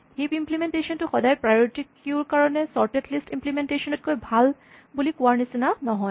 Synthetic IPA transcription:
hipimplimentesɔntʊxɔdajpɹajɔɹitikuɹkaɹɔnɛsɔɹtetlistimplimentesɔnɔt̚kojbʱal | bulikʊaɹnisinanɔɦɔj

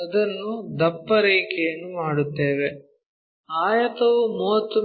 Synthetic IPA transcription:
ɐd̪ɐnːud̪ɐpːɐɾeːkejɐnːumaːɽut̪ːe̞ːʋe | aːjɐt̪ɐʋumuɦɐt̪ːu

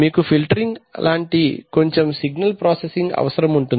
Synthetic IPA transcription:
miːkupʰilʈɐɾiŋɡlʔaːɳʈiko̞ɲt͡ʃemsiɡnɐlpɾoːsesiŋɡɐ̰ʋɐsɐɾɐmuɳʈun

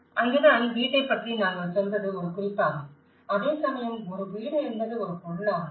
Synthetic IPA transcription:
ʔɐŋɡɪnanʋiːʈːɐɪpːɐʈrinaːŋɡɐɭsɔnd̪rɐðɯɔɾɯkʊɾɪpːaːm | ɐðeːsɐmɐjɐmɔɾɯʋiːɽɪɾɯnd̪ɐðɯɔɾɯpɔɭːaː

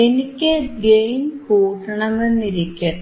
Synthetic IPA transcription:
enikʲːɨɡejnhuːʂɐɳɐmʋenːiɾikʲːɐ

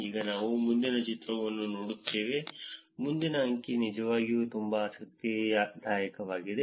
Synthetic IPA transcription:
iːɡɐnaːʋumund̪inɐt͡ʃit̪ɾɐʋɐnːunoːɽut̪ːeːʋe̞ | mund̪inɐɦɐŋkinid͡ʒɐʋaːɡijut̪umbɐːsɐk̚t̪jɐjɐd̪ʱaːjɐkɐʋaːɡid̪e̞

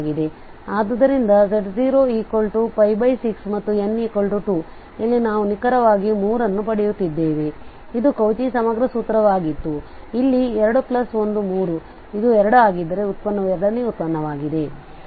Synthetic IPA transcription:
ɡid̪e̞ | aːd̪ɐd̪ɐɾind̪ɐseʈziːɾoːiːkolʈupɐjbɐjsiksmɐt̪ːuenːiːkolʈuʈuː | ilːinaːʋunikɐɾɐʋaːɡimuːɾɐnːupɐɽijut̪ːid̪ːeːʋe | id̪ukɐwt͡ʃisɐmɐɡɾɐsuːt̪ːɐɾɐʋaːɡit̪ːu | ilːiɛɾɐɽuplɐso̞nd̪umuːɾu | id̪uɛɾɐɽuaːɡid̪ːɐɾe̞ut̪̚pɐnːɐʋɛɾɐɽɐnːeut̪̚pɐnːɐʋaːɡid̪e̞

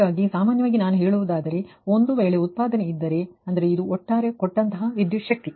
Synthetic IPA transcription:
aːɡisaːmaːnjɐʋaːɡinaːnuɦe̞ːɭuʋud̪aːd̪ɐɾe̞o̞nd̪uʋeːɭe̞ut̪̚paːd̪ɐneid̪ːɐɾe̞ɐnd̪ɐɾe̞id̪uoʈːaːɾe̞kɔʈːɐnt̪ɐɦɐʋid̪juʂɐk̚t̪i

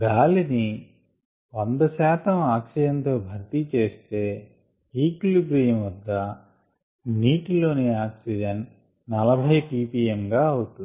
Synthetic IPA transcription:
ɡaːlini | ʋɐnd̪ɐsɛːt̪ɐmaːksid͡ʒɐnt̪o̞ːbʱɐɾt̪it͡ʃe̞ːst̪e̞ː | iːkluɡɾiːjɐmʋɐd̪ːɐ | niːʈilo̞ːneaːksid͡ʒɐnː | ɐlɐbʱɐjpiːpiːjemɡaːɐwut̪un

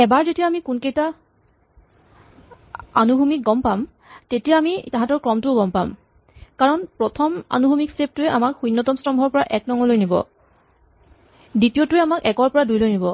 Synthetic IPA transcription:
ɛbaɹzetijaːmikunkejta | anubʱumik̚ɡɔmpam | tetijaːmitãɦãtɔɹkɹɔmtʊʊɡɔmpa̰m | kaɹɔnpɹɔtʰɔma̰nubʱumiksep̚tʊɛʔamakxujnːɔtɔmstɔmbʱɔɹpɔɹaʔɛk̚nɔŋɔlojnibɔ̰ | ditijotʊɛamakɛkɔɹpɔɹadujlojnibɔ

